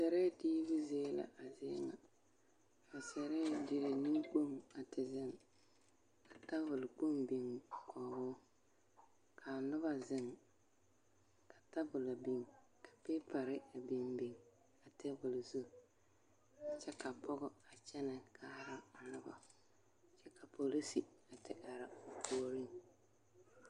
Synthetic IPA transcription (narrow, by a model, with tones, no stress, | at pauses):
sɛ˨ɾɛ˦diː˦bʊ˦zeː˦la̰˨ʔa˨zɪ̰˦ŋa̰˨ | ba˨sɛ˨ɾɛ˦˨di˨ɾɪ˨nɪ˦ŋk͡po˦˨ŋa˨tɪ˨zɪ˦ŋ | ka˨ta˦bʊ˨lɪ˨k͡po˦mbi˨ŋkʰɔː˨bʊː˦ | kʰa˨nʊ˦βa˦zɪ˦ŋ | kʰa˨ta˦bʊ˨la˨bi˨ŋ | kʰḁ˨pɪː˦pa˨ɾɪ˦a˨bi˨mbi˨ŋ | a˨tɪ˦vʊ˨lɪ˨zu˦˨ | t͡ʃɛ˦ka˨pʰɔ˦ɣʊ˦a˨t͡ʃɛ˦na˨kʰa˦ɾa˦a˨nʊ˦ba̰˨ | t͡ʃɛ˦ka˨pʰo˨li˦si˨a˨tɪ˨ʔa˨ɾa˨koː˦ɾi˦ŋ